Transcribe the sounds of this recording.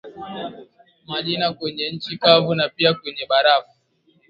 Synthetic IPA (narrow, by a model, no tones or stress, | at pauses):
maʄinakwɛɲɛn̩t͡ʃikavunapiakwɛɲɛɓaɾafu